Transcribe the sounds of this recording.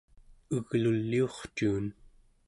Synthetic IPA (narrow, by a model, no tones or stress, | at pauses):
əɣlulːio̞χt͡ʃuːn